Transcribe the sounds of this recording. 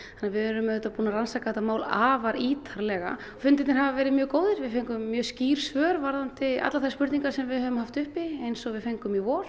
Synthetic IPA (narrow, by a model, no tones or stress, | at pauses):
anːaɾvɪɛɾʏmɛðʏt̪apuːnaɾansakaɛt̪ːamaːwlaːvaɾiːt̪ʰaɾlɛɣa̰ | ɔfʏnt̪ɪt̪nɪɾɦavavɛːɾɪðmjœːkoːwðɪɾvɪðfejŋkʏmːjœːsciːɾ̥svœːɾvaɾðant̪ɪa̰t̪laθḁspʏɾt̪niŋkaɾ̥sɛmvɪðhœːvʏmhaft̪ʏhpiejnsɔɣvɪðfejŋkʏmivɔːɾ̥